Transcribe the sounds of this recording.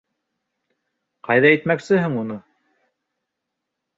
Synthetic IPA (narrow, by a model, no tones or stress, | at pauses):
qɑjðɑijt̪mæksɘɦɘŋunɤ